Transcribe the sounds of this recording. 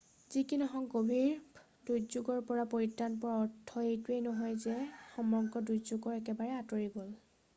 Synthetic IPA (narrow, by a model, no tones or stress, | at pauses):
zikinɔxɔŋkobʱiɹ | dujzuɡɔɹpɔɹapoɹitːanpɔɹaɔtʰːɔejtuejnɔɦɔjzɛxɔmɔŋkɔdujzuɡɔɹɛkɛbaɹɛatoɹiɡol